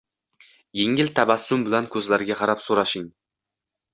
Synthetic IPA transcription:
jeŋɪlt̪ʰabasːʊmbɪlankʰɵzlaɾɡʲaqʰɑɾapsoɾaʃɪŋ

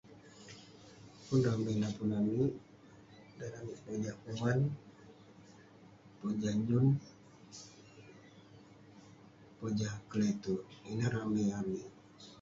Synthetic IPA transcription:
pundambenapunamiʔ | daɾamiʔpod͡ʒahuwan | pod͡ʒaɲd͡ʒun | pod͡ʒahkəlet̪uʔinaɾamɛamiʔ

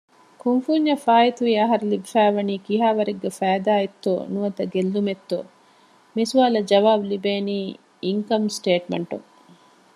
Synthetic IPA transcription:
kuŋfuːɲːɐfaːjit̪uʋiɐɦɐɾlibifæːʋɐniːkiɦaːʋɐɾiɡːefæːd̪aːjet̪ːo̰ːnuʋɐd̪ɐɡelːumet̪ːo̰ː | mesuʋaːlɐd͡ʒɐʋaːbulibeːniː | iŋkɐmsʈeːʈmḛɳʈṵŋ

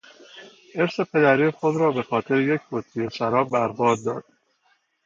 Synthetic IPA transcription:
ʔe̞ɾse̞pʰe̞d̪æɾiːxo̞d̪ɾɒːbe̞xɒːt̪ʰe̞ɾeje̞cʰbot̪ʰːijesæɾɒːbbæɾbɒːd̪̚ːɒːd̪̥̚

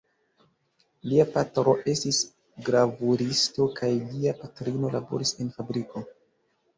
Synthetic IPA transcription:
liapatɾo̞ʔe̞stis | ɡɾavuɾisto̞kʰajliapatɾino̞labo̞̰ɾise̞nfabɾiko̞

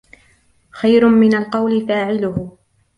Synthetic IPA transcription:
xajɾʊmɪnalqɑwlɪfaːʕɪlʊh

